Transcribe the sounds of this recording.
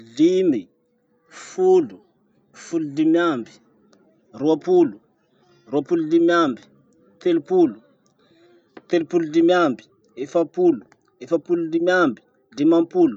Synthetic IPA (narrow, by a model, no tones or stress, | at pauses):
ɮimi | fulu | fuludimiambi̥ | ɾuapulu | ruapululimiambi̥ | t̪elupulu | t̪elupuludimambi̥ | efapulu | efapululimambi̥ | dimampulu